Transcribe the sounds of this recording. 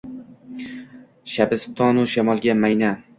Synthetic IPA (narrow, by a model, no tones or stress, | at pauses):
ʃabɪst̪ʰɒnʊʃamɒlˠɡʲamajna